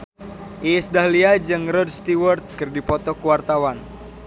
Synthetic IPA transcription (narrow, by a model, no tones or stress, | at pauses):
ʔiɛsdaɦliad͡ʒɨŋrɔd̚st̪iwərt̪̚kɨrdipɔt̪ɔkuwart̪awan